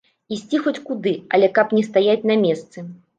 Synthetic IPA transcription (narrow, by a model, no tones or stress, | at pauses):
isʲt͡sʲixɔt͡sʲkud̪ɨɐlʲɛkapnʲɛst̪ajat͡sʲnɐmʲɛst̪sɨ